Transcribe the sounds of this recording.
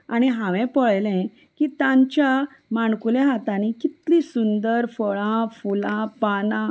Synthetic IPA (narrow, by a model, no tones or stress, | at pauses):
añiɦãʋɛ̃pɔɭjlɛ̃ | kiːt̪ãɲt͡ɕja | maɳkuljaɦat̪ãnikit̪lĩsund̪əɾfɔɭãfulãpanã